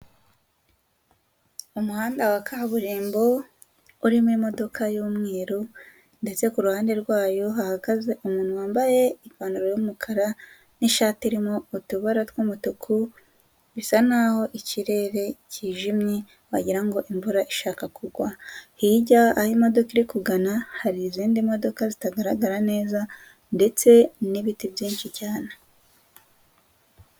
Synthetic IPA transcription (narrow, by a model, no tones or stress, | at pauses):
umuhaːndawakʰaβuɾiːmbo̞ | uɾimimo̞do̞kʰajuːmŋeːɾo | nde̞t͡se̞kuɾuhaːnde̞ɾɡwaːjo̞ɦahaɡaze̞ʔumuːnhuwaːmbaje̞iɡwaːnuɾojumukʰaɾa | niʃaːtiuɾimoutuβaɾatwuːmutukʰu | βisanaho̞ʔiciɾe̞ɾe̞ciːʒimɲe | waɟiɾaŋɡo̞ʔiɱvuɾaʔiʃaːkakuɡwahiɟaahimo̞do̞kiɾikuɡanahaɾiːziːndimo̞do̞kazitaɡaɾaɡaɾane̞ːza | nde̞t͡se̞niβitibjiːnʃicaːne